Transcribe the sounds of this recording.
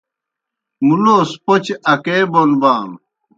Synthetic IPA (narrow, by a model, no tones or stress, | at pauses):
muloːspot͡ɕɐkeːbonbaːn